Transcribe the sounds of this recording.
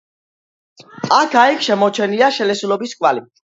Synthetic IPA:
akʰaikʰʃɛmɔt͡ʃʰɛniaʃɛlɛsulɔbiskʼwali

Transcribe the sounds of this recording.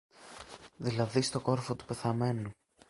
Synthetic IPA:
ðilɐðist̪o̞ko̞ɾfo̞t̪u̥pe̞θɐme̞nu

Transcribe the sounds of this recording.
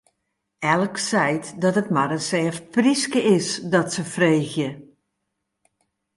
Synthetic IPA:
ɛlˠksɛjtdɔtətmaɾənsɛːfpriskəɪsdɔtsəfreːxjə

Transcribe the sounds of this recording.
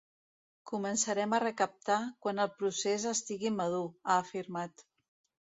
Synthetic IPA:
kumənsəɾɛmərəkəp̚t̪akwanəlˠpɾusezəst̪iɣiməð̞uaːfiɾmat̪

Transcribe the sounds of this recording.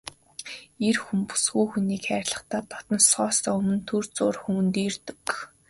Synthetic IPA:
erxumpu̥sɡujxuniːkxæːɾʲɪɮə̆χt̪aːt̪ɔt̪ɞ̆nsɔːst̪ɔːɵmɵ̆nt̪ʰɵrt͡sʊːrxŭːnt̪iːrt̪ɵ̥̆k

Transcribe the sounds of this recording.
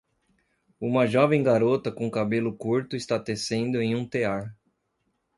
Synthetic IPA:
ũmɐʒɔvẽj̃ɡaɾot̪ɐkõkabelʊkuɾt̪ʊɪst̪at̪esẽnd̪ʊẽj̃ũt̪eaɾ

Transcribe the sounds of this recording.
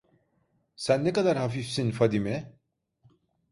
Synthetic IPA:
sɛnːɛkad̪aɾhɑfifsinfad̪ime

